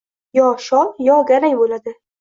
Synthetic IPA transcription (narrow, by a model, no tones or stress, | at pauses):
jɒʃɒlˠjɒɡʲaɾajbolad̪ɪ